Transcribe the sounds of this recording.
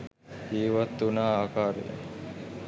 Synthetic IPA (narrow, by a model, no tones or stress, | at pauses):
d͡ʒiːʋat̪ːunaːaːkaːɾḛj̰